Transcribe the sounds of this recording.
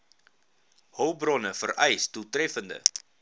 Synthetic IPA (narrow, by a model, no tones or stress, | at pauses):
hœwbrɔnəfərɛjstutrɛfəndə̰